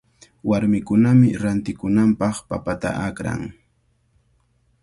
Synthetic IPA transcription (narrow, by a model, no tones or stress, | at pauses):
waɾmɪkʊnamɪɾant̪ɪkʊnampɑχpapat̪a̰ʔakɾa̰ŋ